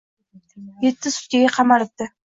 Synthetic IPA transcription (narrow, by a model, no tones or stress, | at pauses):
jet̪ːɪsʊ̥t̪kʲeɡʲɛqʰɑmɑɾɨp̚t̪ːɪ